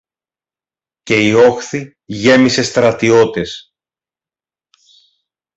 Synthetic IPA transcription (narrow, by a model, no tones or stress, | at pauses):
ce̞io̞xθi | ʝe̞mise̞st̪ɾɐt̪io̞t̪e̞s